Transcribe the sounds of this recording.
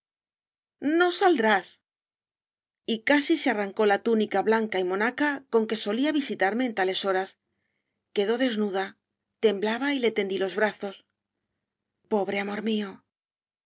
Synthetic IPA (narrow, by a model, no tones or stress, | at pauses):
no̞sald̪ɾas | ikasisearaŋko̞lat̪unikaβlaŋkaimo̞nakako̞ŋke̞so̞liaβisit̪aɾme̞ːnt̪ale̞so̞ɾas | ke̞ðo̞ðe̞znuða | t̪e̞mblaβaile̞t̪e̞nd̪ilo̞zβɾaθo̞s | po̞βɾe̞amo̞ɾmio̞